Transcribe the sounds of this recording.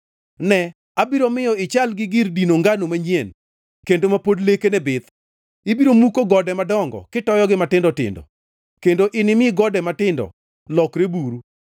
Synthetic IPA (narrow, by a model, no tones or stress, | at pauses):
nɛ | abiɾomɪjɔɪt͡ʃalɡɪɡɪrdinoŋɡanomaɲen | kendomapodlekenɛbɪt̪ | ɪbiɾomukoɡɔdɛmadɔŋɡɔ̰kɪtɔjɔɡɪmatɪndɔtɪ̰ndɔ̰ | kendoʔɪnɪmɪɡɔdɛmatɪndɔ̰ | lɔkɾebuɾu